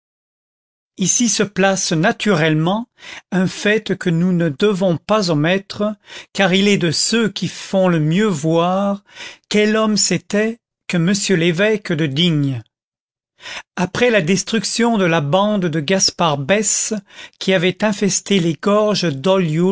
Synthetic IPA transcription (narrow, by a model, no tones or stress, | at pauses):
isisəplasnat̪ʰyʁɛlmɑ̃ɛ̃fɛt̪kənunəd̪əvɔ̃pazɔ̃mɛt̪χəkaʁilɛd̪əsøkʲʰifɔ̃ləmjøvwaʁkʲɛlɔmsɛt̪ɛ | kəməsjølevɛkd̪əd̪iɲ | apχɛlad̪ɛst̪χyksjɔ̃d̪əlabɑ̃d̪d̪əɡaspaʁbɛskʰʲiavɛt̪ɛ̃fɛst̪eleɡɔʁʒd̪ɔljo